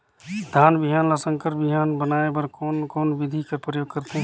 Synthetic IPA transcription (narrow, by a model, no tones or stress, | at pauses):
d̪ʱaːnbiɦanlasəŋkəɾbiɦanbənaebəɾkoːnkoːnbid̪ʱikepɾəjoːɡ̚kəɾt̪ẽɦ